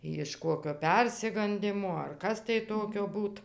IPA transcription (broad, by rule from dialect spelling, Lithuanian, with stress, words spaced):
jɪʃ ˈkoːkʲoː ˈpʲɛrʲsʲɪɡɐnʲdʲɪmoː ɐr ˈkɐs tɐɪ ˈtoːkʲoː ˈbuːt